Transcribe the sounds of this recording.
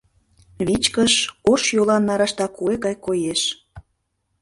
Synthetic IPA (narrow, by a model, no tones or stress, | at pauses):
βit͡ɕkəʃoʃjolɑnːɑɾɑʃt̪ɑkueɣɑjkojeʃ